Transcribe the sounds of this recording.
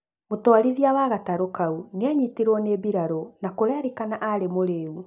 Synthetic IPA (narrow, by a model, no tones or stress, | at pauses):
motɔaɾiðjawaɣataɾokauneaɲiteɾwɔnebiɾaɾonakoɾaɾikanaʔaɾemoɾeːu